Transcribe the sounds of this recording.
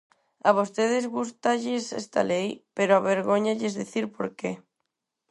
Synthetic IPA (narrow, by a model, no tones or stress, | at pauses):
aβ̞ost̪eðezɣust̪aʎesḛst̪a̰lejpeɾoaβeɾɣoɲaʎezðiθiɾpoɾke